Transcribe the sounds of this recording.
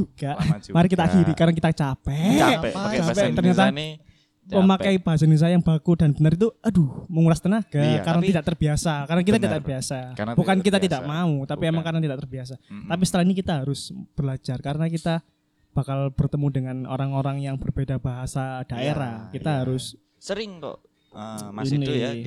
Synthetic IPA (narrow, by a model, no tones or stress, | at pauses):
d͡ʒuɡ̥aʔmaɾɪkit̪aʔakiɾikaɾənak̬it̪at͡ʃapɛ | pɛt̪ərɲat̪a | məmakajb̥aɦas̬ainus̬ajaŋb̥akudanbənəɾit̪̬uaduməŋulast̪ənaɡ̥akaɾənat̪idaʔt̪ərbiasakaɾənakit̪at̪idaʔt̪ərbiasab̥ukankit̪at̪idaʔmaut̪apiemaŋkaɾənat̪idaʔt̪ərbias̬at̪ap̬isət̪əlahinikit̪aɦaɾʊsb̥ərlad͡ʒarkaɾənak̬it̪a | b̥akalb̥ərt̪əmudəŋano̰ɾaŋoɾaŋjaŋbərbedabaɦasad̥aʔeɾahkit̪aɦaɾʊs | səɾɪŋt̪ɔ̰ | ini